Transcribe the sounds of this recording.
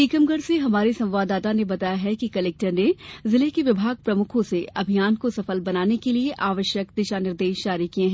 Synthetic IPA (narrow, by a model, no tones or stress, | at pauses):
iːkəmɡəɽseɦɐmaːɾesɐ̃m̃ʋaːd̪aːt̪anebɐt̪aːjaɦɛkikɐlɛːk̚ʈəɾnezɪlekeʋɪbʱaːɡ̚pɾɐmʊkʰõseɐbʱijaːnkosɐfəlbɐnaːnekelieʔaːʋəʃjəkd̪ɪʃanɪɾd̪eːʃʃaːɾikiẽɦɛ̃ː